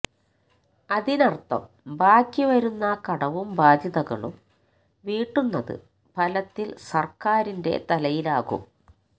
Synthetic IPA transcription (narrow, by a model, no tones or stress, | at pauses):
ɐðinɐrt̪ːɐ̰m | baːkʲːiʋɐɾunːɐkɐɽɐʋumbaːd̪ʱjɐðɐɣɐ̰ɭṵm | ʋiːʈːunːɐðɨ̰ | pɐlɐt̪ːilsɐrkaːɾinde̞̰t̪ɐlɐjilaːɣṵm